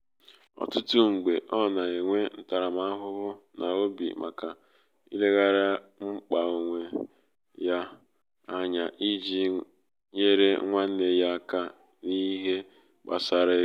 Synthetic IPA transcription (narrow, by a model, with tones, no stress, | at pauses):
ɔ̰˨tʊ˦tʊ˦ŋ͡m̩˨ɡ͡be˨ʔɔ˦na˨e˨ŋʷe˦n̩˦ta˨ɾa˨ma˦ɦʊ˦bʊ˦nʔa˨o˦bḭ˨ma̰˨ka˨ | ḭ˦le˦ɣa˦ɾa˦ | ŋ͡m̩˦k͡pa˨o˨ŋʷe˨ | ja˦ | a˦ɲa˨ʔi˦d͡ʒi˦ | ɲe˦ɾe˦ŋʷa˦n̩˦ne˨ja˦ka˦ | ni˦ɦe˦ | k͡pa̰˨sa˨ɾe˦